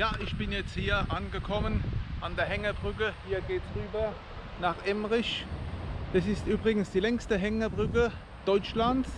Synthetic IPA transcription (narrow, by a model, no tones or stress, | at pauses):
jaːʔɪçb̥ɪnjɛt͡sthiːɐʔanɡəkʰɔmənʔandeːɐɦɛŋɐbʁʏk̬əhiːɐɡeːtsʁyːbɐ | naːχʔɛmʁɪç | d̥asɪstʔyːbʁɪɡn̩sd̥iːlɛŋstəɦɛŋɐbʁʏkə | d̥ɔʏt͡ʃlants